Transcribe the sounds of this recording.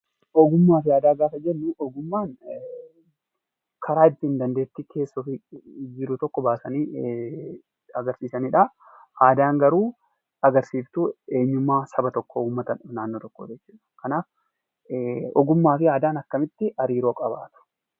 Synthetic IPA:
ʔɔɡʊmːaːfɪaːd̪aːɡaːsɐd͡ʒɛnːʊʔɔɡʊmːaːn | kʰɐɾaːɪt̪ːɪɪnd̪ɐnd̪e̞ːt̪ːɪkʰe̞ːsːɔfɪd͡ʒɪɾʊt̪ɔkːɔbaːsɐniː | ɐɡɐɾsiːsɐniːᶑɐ | haːd̪aːŋɡɐɾuː | ɐɡɐɾsiːft̪ʊe̞ːɲːʊmːaːsɐbɐt̪ɔkːouːmːɐt̪ɐnʊnaːnːoːt̪ɔkːoːd͡ʒɛt͡ʃːuːᶑɐ̥kɐnaːf | ɔ̰ɡʊmːaːfɪaːd̪aːnɐkːɐmɪt̪ːɪʔɐɾiːɾo̞ːkʼɐbaːt̪ʊ̥

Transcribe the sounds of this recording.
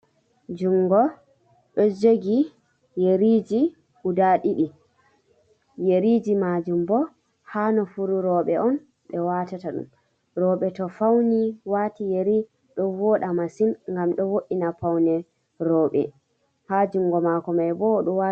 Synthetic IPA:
d͡ʒuŋːɡɔ | ɗɔd͡ʒoɡi | jeɾid͡ʒi | ʔudaɗiɗi | jeɾid͡ʒimad͡ʒumbɔ | hanɔfuɾuɾɔːɓɛɔn | ɓɛwatataɗṵm | ɾɔɓɛtɔfawniwaːtijeɾi | ɗɔwɔːɗamasimŋɡamɗɔwoʔinapawnɛ | ɾɔːɓɛ̰ | had͡ʒuŋɡɔmakɔmajbɔɗɔwa

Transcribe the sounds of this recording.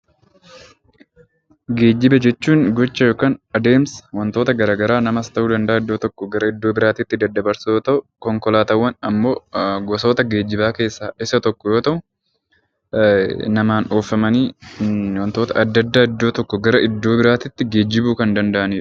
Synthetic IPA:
ɡe̞ːd͡ʒːɪbɐd͡ʒɛt͡ʃːuːŋɡɔt͡ʃːɐjo̞ːkaːnɐd̪e̞ːmswɐnt̪o̞ːt̪ɐɡɐɾaːɡɐɾaːnɐmɐst̪ɐʔuːd̪ɐnd̪ɐʔaːɪd̪ːoːt̪ɔkːɔɡɐɾɐɪd̪ːo̞ːbɪɾaːt̪iːt̪ːɪd̪ɐd̪ːɐbɐɾsjoːt̪ɐʔʊkɔŋkɔlaːt̪ɐwːɐnɐmːo̞ːɡɔso̞ːt̪ɐɡeːd͡ʒːɪbaːke̞ːsːaːʔɪsɐt̪ɔkːɔjo̞ːt̪ɐʔʊ | nɐmaːnoːfɐmɐniːwɐnt̪o̞ːt̪ɐʔɐd̪ːɐd̪ːaːɪd̪ːo̞ːt̪ɔkːɔɡɐɾɐɪd̪ːo̞ːbɪɾaːt̪ɪt̪ːɪɡe̞ːd͡ʒːɪbuːkɐnd̪ɐnd̪ɐʔɐnɪːɾʊ̥

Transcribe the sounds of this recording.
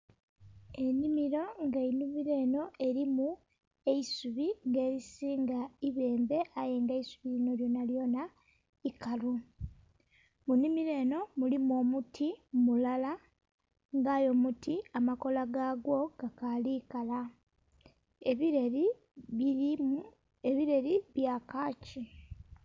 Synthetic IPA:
e̞nimiɾo̞ŋɡainimiɾe̞ːno̞e̞ɾimu | e̞isuβiŋɡe̞ːɾisiːŋɡaiβe̞ːmbe̞aje̞ŋɡeisuβiɾino̞ljo̞naljo̞na | ikalu | munimiɾe̞ːno̞mulimo̞ːmutʰimulala | ŋɡaːjo̞ːmutiamako̞laɡaɡwo̞ɡ̥akalikala | eβiɾe̞ɾiβjakaːci

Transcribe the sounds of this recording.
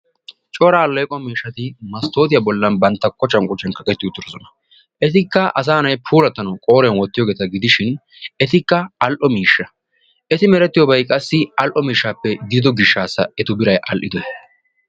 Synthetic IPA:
t͡ʃʼoːɾaːlːɛjkʼɔmiːʃːɐt̪ɪmɐst̪o̞ːt̪ɪjɐbɔlːɐnbɐnt̪ːɐkʰɔt͡ʃːɐnkʼʊt͡ʃːɛnkɐkʼɛt̪ːɪʊt̪ːʊɾɔsɔnɐ̥ | ʔɛt̪ɪkːɐʔɐs̬aːnɐjpʰuːlɐt̪ːɐnɐwkʼo̞ːɾɛnwɔt̪ːɪjoːɡeːt̪ɐɡɪd̪ɪʃɪn | ɛt̪ɪkːɐɐlʔɔmiːʃːɐ | ʔɛt̪ɪmɛɾɛt̪ːɪjoːbɐjkʼɐsːɪɐlʔɔmiːʃːaːpːɛd̪iːd̪ɔɡɪʃːaːsːɐɛt̪ʊbɪɾɐjʔɐ̰lʔɪd̪ɔɛ

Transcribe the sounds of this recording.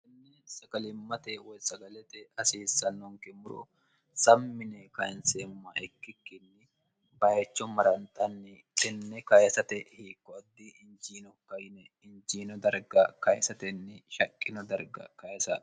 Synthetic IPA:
ɛnːesɐɡɐlɪmːɐt̪ɛwɔjsɐɡɐlɛt̪ɛɐsiːsːɐnːɔŋkɛmʊɾɔ̰ | sɐmːɪnɛkɐjɪnseːmːɐɛkːɪkːɪnːɪ | bɐjɛt͡ʃːɔmːɐɾɐnt̪ʼɐnːɪ | tʼɪnːɛkɐjɛsɐt̪ɛhiːkːɔɐd̪ːiɪnd͡ʒiːnɔkːɐjɪnɛ | ɪnd͡ʒiːnɔd̪ɐɾɡɐkɐjɛsɐt̪ɛnːɪʃɐkʼːɪnɔd̪ɐɾɡɐ̰kɐjɛsɐ

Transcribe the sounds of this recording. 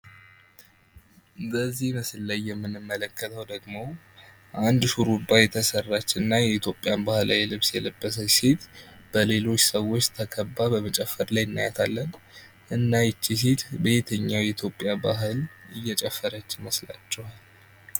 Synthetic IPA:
ɨbəzːihməslːajːɛmːɨnɨmːələkːət̪ʰəwd̪əɡmo̞ | ʔand̪ʃuɾub̪ajɛt̪ʰəsərːat͡ʃːɪɨnːajɛit̪jo̞pʼːjanbahla̰jɛlɨβsjɛləbːəs̬əset̪b̥əle̞lo̞t͡ʃːsəwo̞t͡ʃːt̪ʰəkʰəbːabəmət͡ʃʼɛfːəɾlajɪnːa̰jɛt̪ʰalːən | ʔɨnːajɪt͡ʃːis̬et̪bet̪ʰəɲːawjɛit̪ʰjo̞pʼːjaba̰ɦɨlɨjːɛt͡ʃʼɛfːəɾət͡ʃːɪməsla̰t͡ʃːɛhal

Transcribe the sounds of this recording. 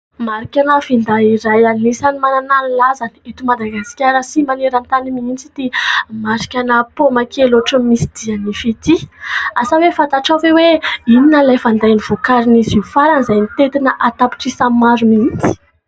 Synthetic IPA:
maɾikʲanafind̪aiɾajanisanimanananilazanet̪umad̪aɡaskʲaɾəsimaneɾant̪animiint͡sit̪imaɾi̥kʲanapomakeloʈ͡ʂəmisid̪̥ianifit̪iasawefat̪aʈ͡ʂaveweininəlajfand̪ajniv̥ukaɾinizifaɾanizajnit̪et̪inəʔat̪api̥ʈ͡ʂisamaɾumiit͡si̥

